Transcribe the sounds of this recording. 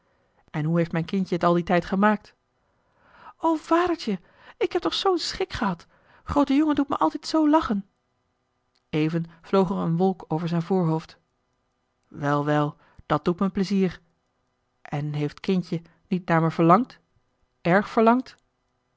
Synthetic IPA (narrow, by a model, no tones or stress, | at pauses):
ʔɛnɦuɦejftmɛjnkɪncəətɑlˠditɛjtχəmaːk̚t | owv̥aːdəɹt͡ʃə | ɪkhɛp̚tɔχsownsχɪkχəɦɑt | χrowtəjoŋədutməʔɑlˠtɛjtsowlɑχən | ejvənv̥lowχəɹənʋɔlˠkowvəɹzɛjnvʊːɹɦowft | ʋɛlˠʋɛlˠ | d̥ɑt̚d̥utməpləziːɹ | ʔɛnɦejftkɪncə | nitnaːɹməv̥əɹlɑŋt | ɛɹχfəɹlɑŋt